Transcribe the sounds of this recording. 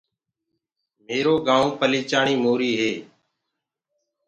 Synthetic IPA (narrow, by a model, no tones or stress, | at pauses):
meːɾoːɡaːõːpəliːt͡ʃaːɳiːmoːɾiːɦeː